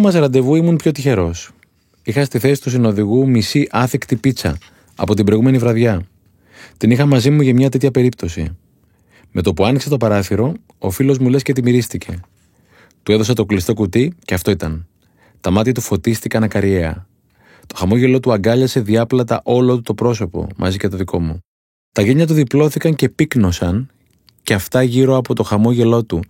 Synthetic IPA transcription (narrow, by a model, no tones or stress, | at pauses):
mɐsɾɐnd̪e̞vuimunpço̞t̪içe̞ɾo̞s | ixɐst̪iθe̞si̥t̪usino̞ðiɣumisiʔɐθikt̪ipit͡sɐ̰ | ɐ̰po̞t̪ibɾo̞jɣume̞nivɾɐðʝɐ | t̪inixɐmɐzimuʝɐmɲɐt̪e̞t̪çɐpe̞ɾip̚t̪o̞sḭ | me̞t̪o̞puɐnikse̞t̪o̞pɐɾɐθiɾo̞ | ofilo̞zmule̞sce̞t̪̬imiɾist̪icʰe̞̰ | t̪ue̞ðo̞sɐt̪o̞klist̪o̞kut̪iceɐft̪o̞it̪ɐn | t̪ɐmɐt̪çɐt̪ufo̞t̪ist̪ikɐnɐkɐɾʝe̞ɐ̰ | t̪o̞xɐmo̞ʝe̞lo̞t̪uɐɡɐʎɐse̞ðiɐplɐt̪ɐʔo̞lot̪ut̪o̞pɾo̞so̞po̞̰mʔɐ̰zicet̪o̞ðikʰo̞mu | t̪ɐʝe̞ɲɐt̪̬uðiplo̞θikɐɲce̞pikno̞sɐn | ceɐft̪ɐʝiɾo̞ɐpo̞t̪o̞xɐmo̞ʝe̞lo̞t̪u